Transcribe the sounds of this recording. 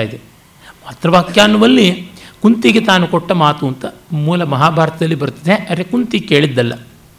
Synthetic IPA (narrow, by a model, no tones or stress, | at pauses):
jid̪e | maːt̪ɾɐʋaːkjaːnuʋɐlːikunt̪iɡet̪aːnukɔʈːɐmaːt̪uɐnt̪ɐmuːlɐmɐɦaːbʱaːɾɐt̪ɐd̪ɐlːibɐɾut̪ːɐd̪eɐɾekunt̪ike̞ːɭid̪ːɐlːɐ̰